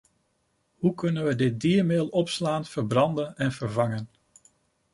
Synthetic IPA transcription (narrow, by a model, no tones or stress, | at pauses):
hukɵnənʋədɪt̚diːɹmeːlˠɔpslaːnfəɹbrɑndənɛnv̥əɹvɑŋən